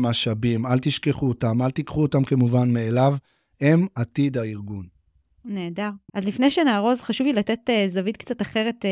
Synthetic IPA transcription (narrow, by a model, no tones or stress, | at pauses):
maʃabimalt̪iʃkeχuot̪amalt̪ikχuot̪amkemuvanmeːlav | e̞mat̪id̪aiʁɡun | ne̞ːdaʁʔazlifnejʃenaːʁo̞zχaʃuvilate̞tezavid̪̚kt͡sataχe̞ʁe̞t̪